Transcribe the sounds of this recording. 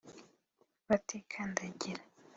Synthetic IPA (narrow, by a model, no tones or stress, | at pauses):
βatʰekʰandaɟiɾa